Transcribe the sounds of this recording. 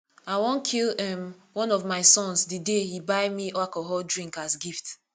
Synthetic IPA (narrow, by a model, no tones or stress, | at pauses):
aɪwõnkʰilɛmwɔ̃nɔvmaɪsɔ̃nsdɨdehibaɪmiʔɔakɔɦɔldɹĩŋkasɡift